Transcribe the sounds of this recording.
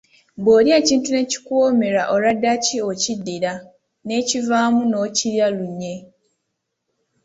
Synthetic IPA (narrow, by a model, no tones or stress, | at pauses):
boːɾjeːciːntune̞ci̥kwoːme̞ɾaʔo̞ɾadːaciocidːiɾa | ne̞civaːmuno̞ciɾjaluɲːe̞